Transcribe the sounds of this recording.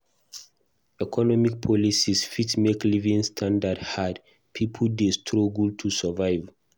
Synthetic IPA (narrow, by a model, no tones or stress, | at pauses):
ɛkʰɔnɔmik̚pʰɔlisisfitmeklivĩŋstʰãndadhad | pʰipʰuldestʰɹoɡltʰusəvaɪv